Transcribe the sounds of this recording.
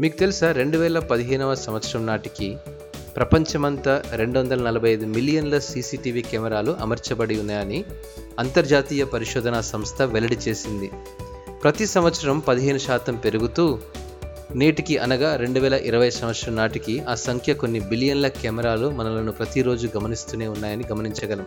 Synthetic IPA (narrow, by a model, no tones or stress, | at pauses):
miːkut̪e̞lisaːɾe̞ɳɖuʋɛːlɐpɐd̪iɦɛːnuʋɐsɐmʋɐt̪sʃɾɐmnaːʈiki | pɾɐpɐɲt͡ʃɐmɐnt̪ɐɾe̞ɳɖuʋɐnd̪ɐlɐnɐlɐbʱɐjɐjd̪umilijɐnlɐsiːsiːʈiːʋiːkɛːmɛɾaːluʔɐ̰mɐɾt͡ʃɐbɐɽiunːɐjaːni | ɐnt̪ɐɾd͡ʒaːt̪iːjɐpɐɾiʃɔːd̪ʱɐnaːsɐmst̪ʰɐʋɛlɐɽit͡ʃe̞ːsind̪i | pɾɐt̪isɐmʋɐt̪sɐɾɐmpɐd̪iɦeːnuʃaːt̪ɐmpe̞ɾuɡut̪uː | neːʈikiʔɐ̰nɐɡaːɾe̞ɳɖuʋɛːlɐʔiɾɐʋɐjsɐmʋɐt̪ʂɾɐmnaːʈikiaːsɐŋkʰjɐkonːibilijɐnlɐkɛːmɛɾaːlumɐnɐlɐnupɾɐt̪iɾo̞ːd͡ʒuɡɐmɐnist̪uːne̞ːunːaːjɐniɡɐmɐniɲt͡ʃɐɡɐlɐm